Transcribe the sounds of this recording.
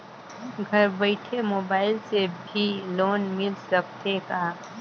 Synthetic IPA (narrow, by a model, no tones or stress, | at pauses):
ɡʱɐɾbəɪʈʰemoːbaːɪlsebʱiloːnmɪlsɐk̚t̪ekaː